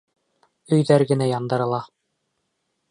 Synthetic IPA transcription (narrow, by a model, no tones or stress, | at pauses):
ɵ̆jðæɾɡɘ̆næjɑnd̪ɤ̆ɾɤ̆lˠɑ